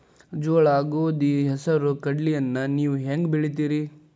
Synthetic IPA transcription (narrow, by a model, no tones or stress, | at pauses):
d͡ʒɔːɭaːɡoːd̪iɦɛsɐɾukɐɖlijɐnːɐniːʋuɦeŋɡbiɭit̪̬iːɾi